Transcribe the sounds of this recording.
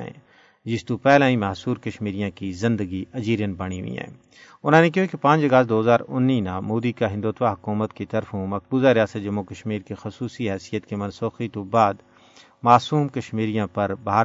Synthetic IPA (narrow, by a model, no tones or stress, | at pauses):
ɛ̰̃ː | d͡ʒɪst̪upɛːlãːĩmaːsuːɾkɐʃmiːɾijãkizɪ̃nd̪əɡiʔɐd͡ʒiːɾjənbɐɽ̃iɦʊ̰ḭɦɛ̰̃ː | ʊnɦãːnek̬iɦekepãːt͡ʃɐɡaːsd̪oːəzaːɾʊnːinãmuːd̪ikaɦɪ̃nd̪uːt̪waɦɐkuːmət̪kit̪ɐɾfũmɐk̚buːzaɾijaːsət̪̚d͡ʒɐmːukɐʃmiːɾkexʊsuːsiɦɛːsijət̪kemɐ̃nsoːxit̪obaːd̪ | maːsuːmkɐʃmiːɾijãpɐɾbaɦaːɾ